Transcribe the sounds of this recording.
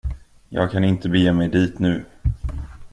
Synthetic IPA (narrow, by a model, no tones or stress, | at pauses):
jɑ̰ːɡ̚kʰanɪnt̪əbɛjeːmɛjd̪iːt̪nʉ̟ː